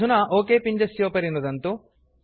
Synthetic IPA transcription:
unɐʔoːkeːpiɲd͡ʒɐsjoːpɐɾinud̪ɐnt̪u

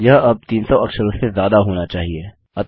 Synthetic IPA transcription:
jɐɦɐb̚t̪iːnsɔɐkʃəɾosezjaːd̪aɦoːnat͡ʃaːɦieː | ɐt̪

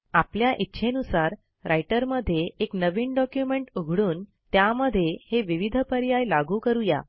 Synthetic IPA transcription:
apljaʔitːɕʰenusaɾ | ɾajʈəɾməd̪ʱːjeeknəʋiːɳɖɔkjumeɳʈuɡʱɽuːn | t̪jaməd̪ʱːjeheʋiʋid̪ʱəpəɾjajlaɡuːkəɾuja̰

